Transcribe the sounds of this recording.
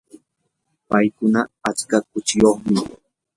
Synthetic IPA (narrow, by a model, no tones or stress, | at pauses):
pajkʊnaːt͡ʃkakʊt͡ʃɪjoχmɪ